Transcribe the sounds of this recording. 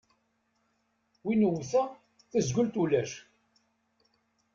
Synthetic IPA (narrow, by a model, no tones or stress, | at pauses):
winəwθæ | θəzɡʊlt̪ulæʃ